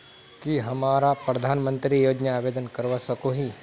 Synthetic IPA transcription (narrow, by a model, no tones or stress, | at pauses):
kiɦɐmaːɾapɾɐd̪ʱaːnmə̃nt̪ɾijoːd͡ʒnaaːʋeːd̪ənkɐɾʋasɐkoɦi